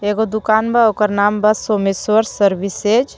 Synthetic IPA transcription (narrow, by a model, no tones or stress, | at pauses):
eɡod̪ukaːnbaokəɾnaːmbasomiswəɾsəɾbised͡ʒ